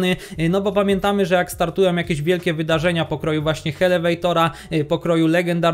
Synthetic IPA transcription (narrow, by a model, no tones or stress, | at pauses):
nɘnɔbɔpamʲjɛnt̪amɘʐɛjakst̪aɾt̪ujɛmjakʲɛʑvʲjɛlkʲɛvɘd̪aʐɛɲapɔkɾɔjuvwaɕɲɛxɛlɛvɛjt̪ɔɾa | pɔkɾɔjulɛɡɛnd̪aɾ